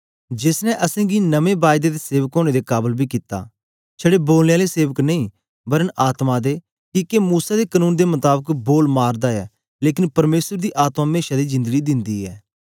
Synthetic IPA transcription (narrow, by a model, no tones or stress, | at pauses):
d͡ʒɪsnɛ̃ʔəsẽːɡiːnəʋẽːbaːjd̪eːd̪eseːʋəkɦoːɽ̃ed̪ekaːbəlbiːkit̪a̰ː | t͡ʃʰəɽeboːlnealeseːʋəknɐĩː | bəɾənaːt̪mad̪eː | kiːkemuːsad̪eːkənũːnd̪emət̪aːbəkboːlmaːɾd̪aːɛː | leːkɪnpɐɾmeːsəɾd̪iːʔaːt̪mameːʃaːd̪iːzɪ̃nd̪əɡiːd̪ɪ̃nd̪iːɛ̰ː